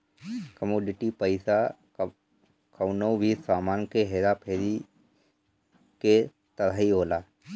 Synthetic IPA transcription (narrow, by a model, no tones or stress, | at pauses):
kəmoːɖɪʈipəɪsa | kʰəwnoʋiːsaːmaːnkeɦeːɾapʰeːɾi | ke | t̪əɾaːɦiɦoːlaː